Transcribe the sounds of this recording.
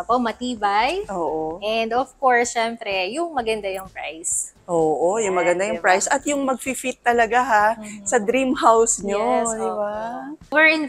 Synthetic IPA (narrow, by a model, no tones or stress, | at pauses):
pomɐt̪iːbɐjʔoːʔoʔɛnd̪ɔfkoɹsʃɛmpɾɛjʊŋmɐɡɐnd̪ajʊŋpɹa̰jsʔoːʔojʊŋmɐɡɐnd̪ajʊpɹajsʔɐt̪jʊŋmɐɡ̚fifit̪ːɐlɐɡaɦasɐd̪ɾimhawsɲod̪ɪbawɛɹɪn